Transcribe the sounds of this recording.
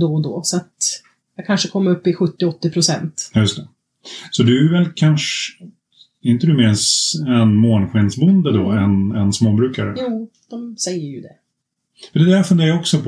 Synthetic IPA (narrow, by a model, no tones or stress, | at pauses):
d̪ɔd̪ɔːsɔat̪ | jɑkʰanʂəkʰɔmːəɾɵpːɪɧɵt̪ːɪɔt̪ːɪpʰɾʊsɛnt̪jɵst̪ʰɛ | sɔd̪ɵævɛlkʰanʂ | ɛɾɪnt̪əd̪ɵmɪːsɛnmoːnɧɪnsbɵnd̪əd̪ɔɛnɛnsmoːbɾʉ̟ːkaɾəjuːd̪̥ɔmsɛjːəɾjɵd̪ɛ | fəd̪ɛd̪æɾfɵnd̪eːɾaɔksɔpʰ